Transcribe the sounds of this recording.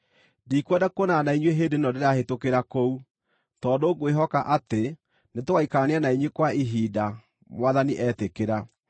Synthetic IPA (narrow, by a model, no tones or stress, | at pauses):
dikwɛdakonanaiɲweɦeːdenɔdeɾahetokeɾakou | tɔːdoɡweɦɔkaʔate | netoɣaikaneanaiɲwekwaiɦiːda | mwaðaniʔɛtekeɾa